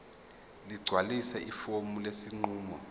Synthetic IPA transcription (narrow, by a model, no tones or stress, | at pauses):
liɡ͡ǀʱwalisɛʔifomulesiŋ͡ǃuːmɔ